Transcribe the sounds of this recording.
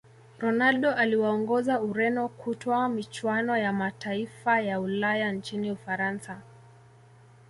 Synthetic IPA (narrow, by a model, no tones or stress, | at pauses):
ɾɔnalɗɔʔaliwaɔŋɡɔzauɾɛnɔkʰutɔɔamit͡ʃwanɔjamataifajaulajant͡ʃiniufaɾansa